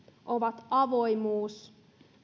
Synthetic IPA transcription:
ʔoʋɑt̪ɑʋojmuːs

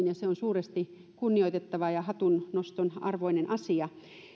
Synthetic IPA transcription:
njɑseonsuːrest̪i | kunːioit̪et̪ːɑʋɑjɑhɑt̪unnost̪onɑ̰rʋoinenʔɑsiɑ

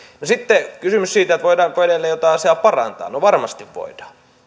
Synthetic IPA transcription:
nosit̪ːekysymyssiːt̪æet̪ʋoidɑːŋkoeɾelːejot̪ɑˑɑseɑˑpɑrɑ̰nt̪ɑ̰ːnoʋɑrmɑst̪iʋʋo̰idɑ̥ː

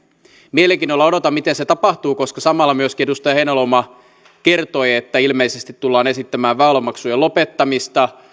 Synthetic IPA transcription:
mieleŋkinolːɑo̞ɾot̪ɑmmit̪enset̪ɑpɑht̪uːko̞skɑsɑmɑlːɑmyøskinedust̪ɑjɑhejnolomɑ | ke̞rt̪o̞jet̪ːæilmeijsest̪it̪tulːɑːne̞sit̪ːæmæːʋʋæːloɑmɑksujelo̞pet̪ːɑmist̪ɑ

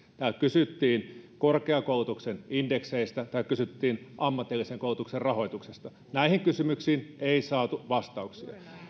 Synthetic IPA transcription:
t̪ækysyt̪ːiːnkorkeɑkoulut̪uksenindekseist̪æt̪ɑˑikkysyt̪ːiːnʔɑmːɑt̪ːˑilːiseŋkoˑulut̪ukserrɑho̞it̪uksest̪ɑ | næihiŋkysymyksiːneisɑːt̪uʋɑst̪ɑuksiɑ̰

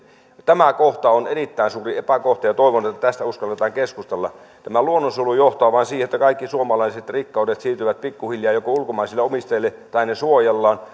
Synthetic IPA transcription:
t̪æmækoht̪ɑonerit̪ːæinsuːriepækoht̪ɑjɑt̪oˑiʋonet̪ːæt̪æst̪æuskɑlːet̪ɑːŋkeskust̪elːɑ̰ | t̪æmæluonːosulujoht̪oɑːʋɑˑnsiːhet̪ːækɑikːisuomɑlɑiset̪rikːɑˑudet̪siːt̪yʋæt̪̚pikːuhiljɑːjokoulkomɑˑisilːeomist̪ɑjelːe | t̪ɑinesuojelːɑːn

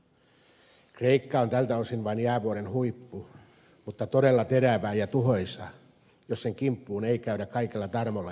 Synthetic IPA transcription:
kreikːɑont̪ælt̪æosinʋɑinjæːʋuoɾenhuipːu | mut̪ːɑt̪oɾelːɑt̪eɾæʋæːjɑt̪uɦo̞jsɑ̰ | josseŋkimpːuːneikæyɾækɑikelːɑt̪ɑrmolːɑ

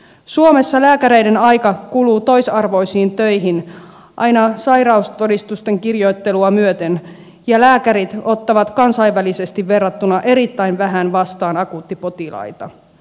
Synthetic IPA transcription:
suome̞sːɑlæːkæɾe̞jdenɑjkɑkuluːt̪o̞jsɑrʋo̞jsiːnt̪ø̞jɦin | ʔɑ̰jnɑsɑjɾɑust̪o̞dist̪ust̪e̞ŋkirjo̞jt̪ːe̞luɑmyøt̪e̞n | jɑlæːkæɾit̪o̞t̪ːɑʋɑt̪kɑnsɑjʋʋælise̞st̪iʋːe̞rːɑt̪ːunɑʔe̞ɾit̪ːæjnʋæɦænʋɑst̪ɑːnɑkuːt̪ːipo̞t̪ilɑ̰jt̪ɑ

